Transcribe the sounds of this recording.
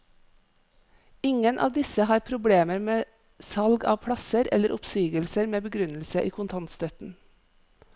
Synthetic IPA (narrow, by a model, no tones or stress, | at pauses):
ɪŋənʔɑ̰ːʋd̪ɪsəhɑːɾpʰɾʊbɽeːməɾmeː | sɑlɡɑ̰ːʋpʰɽɑsəɾɛ̰ləɾʔʊpsiːɡəlsəɾmeːbəɡɾʉnl̩səʔiːkʰʊnt̪ʰɑnt̪st̪œt̪n̩